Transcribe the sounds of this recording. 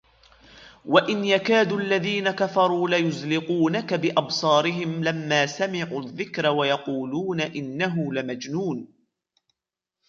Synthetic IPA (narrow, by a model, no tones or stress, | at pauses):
waʔɪnjakaːd̪ulːaðiːnakafɑɾˤuːlajʊzlɪquːnakabɪʔɑbsˤɑːɾɪɦɪmlamːaːsamɪʕuːðːɪkɾawajɑquːluːnaʔɪnːaɦʊlɪmad͡ʒnuːn